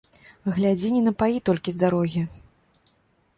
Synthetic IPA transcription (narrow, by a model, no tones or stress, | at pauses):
ɣlʲad͡zʲinʲinɐpait̪ɔlʲkʲizd̪aɾɔɣʲi